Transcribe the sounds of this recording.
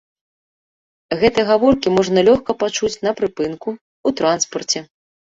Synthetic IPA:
ɣɛt̪ɨjɐɣavɔrkʲimɔʐnɐlʲɔxkɐpat͡ʂut͡sʲnɐpɾɨpɨnku | ut̪ɾanspɐrt͡sʲɛ

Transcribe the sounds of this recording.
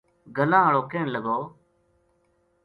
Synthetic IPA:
ɡəlãːəɭoːkeːɳləɡoː

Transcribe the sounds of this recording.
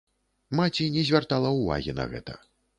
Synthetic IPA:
mat͡sʲinʲɛzʲvʲart̪alˠɐwva̰ɣʲinɐ̰ɣɛ̰t̪ɐ

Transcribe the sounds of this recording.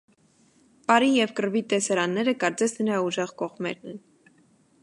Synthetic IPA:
pɑɾijɛvkəɾvit̪ɛsɑɾɑnːɛɾəkɑɾt͡sɛsnəɾɑuʒɛʁkɔʁmɛ̰ɾnɛn

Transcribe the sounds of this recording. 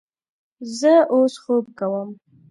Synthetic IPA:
zəosxob̚kawəm

